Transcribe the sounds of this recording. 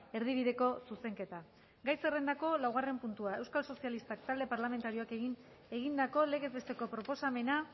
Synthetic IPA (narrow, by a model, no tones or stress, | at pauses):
e̞ɾð̞iβ̞iðe̞ko̞suse̞ŋke̞t̪a | ɡajsere̞nd̪ako̞lawɣare̞mpunt̪uae̞wskalso̞sialist̪akt̪ald̪e̞paɾlame̞nt̪aɾio̞ake̞ɣin | e̞ɣind̪ako̞le̞ɣe̞zβest̪e̞ko̞pɾo̞po̞same̞na